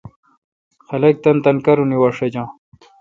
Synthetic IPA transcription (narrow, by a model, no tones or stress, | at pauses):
xɐlɐk̚t̪ɐnt̪ɐnkɐɾuniwaʂɐd͡ʑɑ̃ː